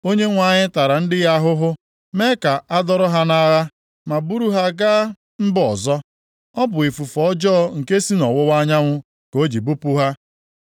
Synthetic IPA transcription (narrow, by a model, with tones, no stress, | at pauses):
o˦ɲe˦ŋʷa˨ɲɪ˦ta˨ɾa˨n̩˦dɪ˦ɣa˦ɦʊ˦ɦʊ˦ | me˦ka˨a˦dɔ˦ɾʊ˦ɦa˦na˦ɣa˦ | ma˨bu˦ɾu˦ɦa˦ɡa˦ | m̩˦bɔ˨zɔ˦ | ɔ˦bʊ˨i˨fu˨fɔ˨ɔ˦d͡ʒɔ˦ŋ̩˨ke˦si˦nɔ˨wʊ˦wa˦ɲa˦ŋʷʊ˦ | ko˦d͡ʒi˨bu˦pu˦ɦa˦